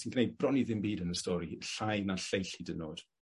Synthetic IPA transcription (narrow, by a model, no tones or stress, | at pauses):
sinɡ̥ʰnejd̚brɔniðɪmbiːdənəstɔːɾiɬajnaɬejɬidənoːd̥